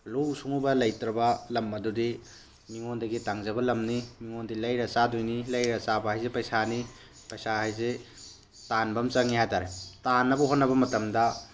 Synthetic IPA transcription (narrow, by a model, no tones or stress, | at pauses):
lusuŋubɐlɐjtɾɐbɐlɐmɐdudi | miŋondɐɡitaŋzɐbɐlɐmnimiŋondilɐjɾɐt͡ʃadojnilɐjɾɐt͡ʃabɐhajzepɐjsani | pɐjsahajze | tanbɐmt͡ʃɐŋihajtaɾetanːɐbɐɦotnɐbɐmɐtɐmdɐ